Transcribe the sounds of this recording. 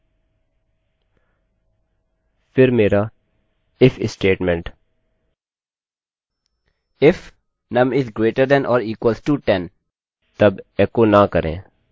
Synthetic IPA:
fɪɾmeːɾa | ɪfɪsʈeːʈmɛ̃ɳʈ | ɪf | nɐ̃mɪzɡɾeːʈəɾd̪ɛ̃nʔɔːɾiːkwəlsʈuːʈɛ̃n | t̪ɐbɛːkonakəɾḛ̃ː

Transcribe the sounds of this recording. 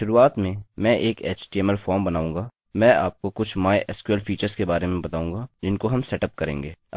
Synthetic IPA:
ʃʊɾuːaːt̪mẽmɛ̃ʔeːkeːt͡ʃʈiɛmɛlfɔːɾmbɐnaːũːŋɡaː | mɛ̃ːa̰ːp̚kokʊt͡ʃʰmaːjʔɛskwelfiːt͡ʃəɾzkebaːɾemẽbɐt̪aːũːŋɡad͡ʒɪnkoɦɐmsɛʈəp̚kɐɾḛ̃ːŋɡeː

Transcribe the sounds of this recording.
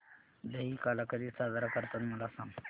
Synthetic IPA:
d̪əɦiːkaːləkəd͡ʑiːsaːd̪əɾakɐɾt̪ənmʊlasã

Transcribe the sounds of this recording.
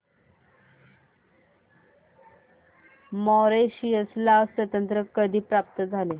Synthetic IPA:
mɔɾeɕiəslasʋət̪ənt̪ɾəkəd̪ʱiːpɾap̚t̪əd͡zʱale

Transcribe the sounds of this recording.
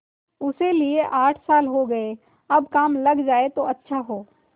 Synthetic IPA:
ʊselieʔaːʈʰsaːlɦoɡɐe | ɐbkaːmlɐɡd͡ʒaːet̪oɐtːʃʰaɦoː

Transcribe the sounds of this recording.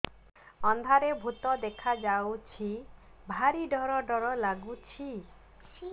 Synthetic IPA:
ɔnd̪ʱaɾebʱut̪ɔd̪ekʰad͡ʒawt͡ʃʰi | bʱaɾiɖɔɾɔɖɔɾɔlaɡut͡ʃʰi

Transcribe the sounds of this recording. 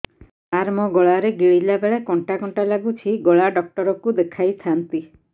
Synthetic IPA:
aɾmɔɡɔɭaɾeɡiɭilabeɭekɔɳʈakɔɳʈalaɡut͡ʃʰiɡɔɭaɖɔk̚ʈɔɾɔkud̪ekʰajt̪ʰant̪i

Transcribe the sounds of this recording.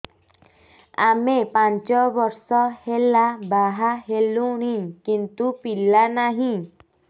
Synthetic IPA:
amepant͡ʃɔbɔɾsɔhelabaɦaɦeluɽ̃ĩkint̪upilanaɦĩ

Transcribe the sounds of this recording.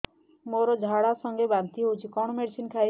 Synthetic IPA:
moɾɔd͡ʒʱaɽasɔŋɡebant̪iɦot͡ʃʰikɔɳ̃ɔmeɽsinkʰaj

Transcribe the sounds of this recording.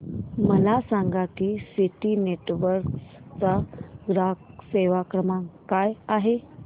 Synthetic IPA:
məlasaŋɡakiːsiʈineʈʋəɾkst͡saɡɾakseʋakɾəmaŋkajaɦe

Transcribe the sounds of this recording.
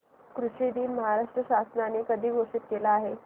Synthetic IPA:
kɾuʂid̪iːnməɦaɾaʂʈɾəɕasnanekəd̪ʱiːɡoʂit̪̚kelaːɦe

